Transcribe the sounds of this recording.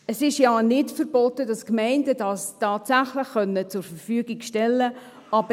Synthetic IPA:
əsɪʃjɑːnɪtfəɾbɔtəd̥ɑskmɛɪndədɑstɑːtsæχləχːœnːət͡sʊɾfəɾfyːɡikʃtɛlːə | ʔɑbə

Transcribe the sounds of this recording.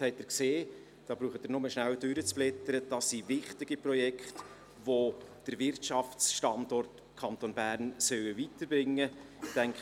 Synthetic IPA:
hɛɪtɪɾkseː | d̥ɑːb̥ɾuːχət̪əɾnʊməʃnæwdʉɾət͡splɪt̪əɾəd̥ɑsːivɪχtɪɡ̥iprɔjɛkχt | vod̥əɾvɪrtʃɑfsʃtɑndɔrt | kʰɑnt̪onbæːɾnsœwəvitəɾbɾɪŋːə | ɪd̥ɛŋk

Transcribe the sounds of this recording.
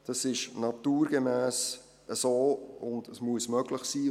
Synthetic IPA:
d̥ɑsɪʃnɑtuːɾɡəmæːs | əsoːʊndəsmuəsmœɡ̥ləχsiː

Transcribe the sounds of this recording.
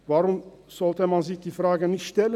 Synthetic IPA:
vaːɾʊmz̥ɔltəmanzɪçd̥iːfraːɡənɪçtʃtɛlə

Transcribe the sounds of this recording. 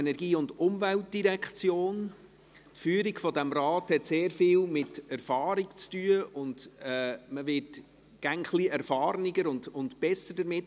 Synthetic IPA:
enɛɾɡiːʊndʊmvæltdiɾɛkχt͡sjoːn | tfyːəɾiɡfɔdæmɾɑːthɛtseːɾfɪːlmɪtæɾfɑːɾikt͡styəʔʊnd̥ɛːməʋɪt | ɡ̥æŋχliɛɾfɑːɾnɪɡəɾʊndʊntb̥ɛsədəɾmɪt

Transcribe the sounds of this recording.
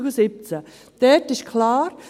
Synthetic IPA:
ɡəsɪp̚t͡sə | d̪̥ɛtɪʃkʰlaːɾ

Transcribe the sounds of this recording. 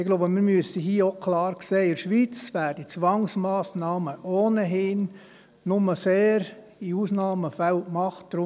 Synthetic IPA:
ɪɡlobəmiɾmyəsəɦiːokʰlɑːɾkseːɪɾʃʋiːt͡sʋæːɾdit͡sʋɑŋsmɑːsnɑːməʔoːnəɦɪn | nʊməseːɾ | iuːsnɑːməfɛltmɑχtd̥ɾʊ

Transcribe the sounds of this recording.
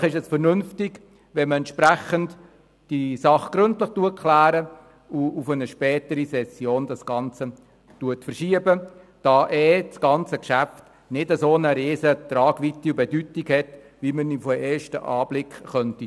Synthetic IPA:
χɪʃɛsfəɾnʏnftɪɡ | ʋɛnməɛnt̪ʃpɾæχənd | d̥isɑχɡ̥ɾʏntləχtuəkʰlæːɾə | uufənəʃpɛːtəɾisɛsjoːndɑsɡ̥ɑnt͡sə | tuətfərʃiəbə | d̥ɑːʔɛːt͡sɡ̥ɑnt͡səkʃæft | nɪdəsoːnəɾeːzət̪ɾɑːɡ̥ʋit̪ːiubɛdytikhɛt | vimənimfɔeːɾʃtə̰ʔɑːb̥lɪkχχœnti

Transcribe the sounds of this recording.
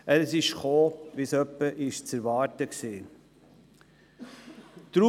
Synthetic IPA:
əlsɪʃχoːʋisœpːəʔɪʃt͡sæɾʋɑːɾtəksiː | t̪ɾu

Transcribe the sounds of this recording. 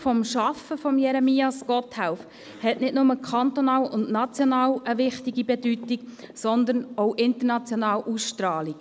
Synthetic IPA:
fɔmʃɑfəfɔmjɛɾɛmiːɑskɔthawf | hɛtnɪtnʊməkʰɑnt̪onɑːlʊntnɑt͡sjɔnɑːwəvɪχtiɡibɛdytiksɔnd̪ənɔʊʔɪnt̪ənɑt͡sjɔnɑːlʔusʃtɾɑːlik

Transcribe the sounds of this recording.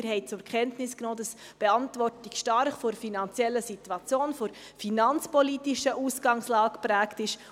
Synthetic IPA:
ɾɦɛɪt͡sʊɾkʰχɛntnɪsknoːdɑs | b̥ɛɑntʋɔrtikʃtɑrχfoɾfinɑnt͡sjɛlːəsituɑt͡sjoːnfoɾ | finɑnt͡spɔliːtiʃəʔuːsɡ̥ɑŋslɑːkpɾæːktɪʃ

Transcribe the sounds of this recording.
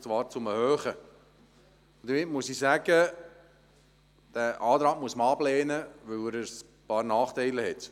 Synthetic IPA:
t͡sʋɑːɾt͡sʊməhøːχə | d̥̪əɾmɪtmuəsisæɡə | d̥æʔɑːt̪ɾɑːɡ̚muəsməɑblɛːnəʋœwɾəs | pɑːɾnɑːχtɛɪləɦɛt

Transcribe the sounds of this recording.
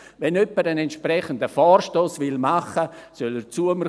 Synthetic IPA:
ʋɛnœpːəɾənɛntʃpɾɛχənd̪əfɔːrʃtoːsʋɪlmaχəsøləɾt͡suəməɾ

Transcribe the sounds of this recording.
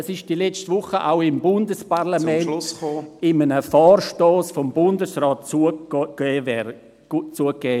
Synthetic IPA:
əsɪʃd̥ilɛt͡stvʊχəʔa̰ʊɪmbʊndəsparlamɛnʊsχoːɪmənəfɔːrʃtoːsfɔmbʊndəsrɔːt̚t͡sukeːvɛɾ | t͡suəkːɛː

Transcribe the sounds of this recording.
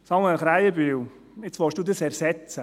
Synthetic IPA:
sɑŋwɛnχɾaɪjəbyw | ɪt͡sʋɔʃd̥uːdəsɛɾsɛt͡sə

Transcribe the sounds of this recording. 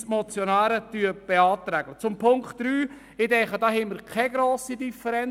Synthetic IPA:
smɔt͡sjonaːɾətyəb̥eɑːt̪ɾæːɡ̥lət͡sʊmpʰʊŋkχtːɾyː | ɪdɛχədɑːhɛməɾkʰɛɡɾoːsidifəɾɛn

